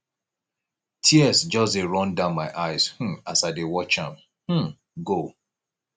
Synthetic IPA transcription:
tʰiɛsd͡ʒɔseɹɔ̃ndãʊ̃nmaɪʔaɪz̥h̩asaɪdewɔt͡ʃã̰m | hm̩ | ɡo

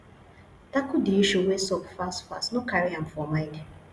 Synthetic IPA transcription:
takudiiʃuwesokfastfa̰stnokaɾiãm̩fɔmãɪ̃nde

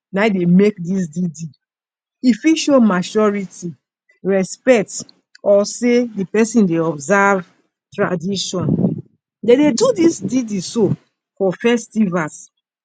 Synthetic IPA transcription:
naidemekdis̬didi | ifiʃomat͡ʃɔɹiti | ɹɛspɛk̚t | ɔsedipɛsĩndeɔbzav | tɹadiʃɔ̃n | dededudisdidiso | fɔfɛstivas

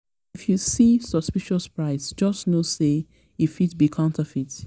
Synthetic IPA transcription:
ifjusisɔ̥spiʃɔspɹaɪsd͡ʒʌsnose | ifit̚bikʰãʊ̃ntʰəfit

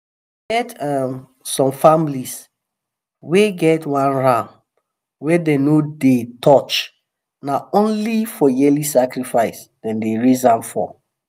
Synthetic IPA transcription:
ɡɛtɛm | sɔ̃mfamlis | weɡɛtwãnɹãm | wɛdenodetʰɔt͡ʃ | naõnlifɔjɛlisakɹifaɪsdɛ̃ndeɹizãmfɔ̰

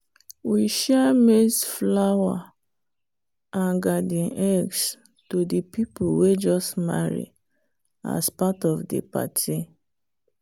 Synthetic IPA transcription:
wiʃɛmesflawa | ãnɡadĩnʔɛɡs | todipipuwed͡ʒɔstma̰ɹḭ | a̰spatɔfdḛpa̰tʰi

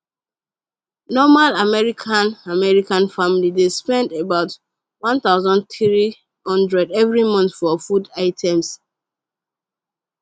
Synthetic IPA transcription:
nɔmalamɛɹikʰãnamɛɹikãnfamilidespɛ̃ndebaʊt | wɔ̃nt̪aʊzɔ̃nθɹi | hɔ̃ndɹɛdɛvɹimɔ̃ntfɔfudaɪtʰɛ̃ms

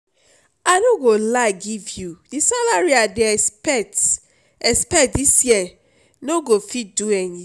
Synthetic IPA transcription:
anoɡolaɡivjudisalaɹiadepɛt | ɛspɛdisjɛ | noɡofit̚duɛni

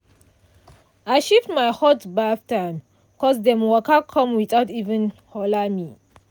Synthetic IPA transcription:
ʔajʃiptmajhɔtbaftãn | kɔzd̪ɛ̃mwɔkʰakʰɔ̃mwiθaʊtivə̃nhɔlami

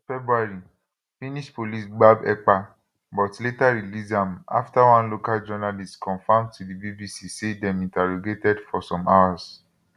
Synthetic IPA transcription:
fɛbɾuaɾi | fĩnĩʃpolisɡ͡babɛk͡pa | bɔtletaɾilizãma̰ftawãnlokald͡ʒɔnalistkɔ̃fãmtudibibisisidɛ̃mĩntɛɾoɡetɛdfɔsɔ̃mawas

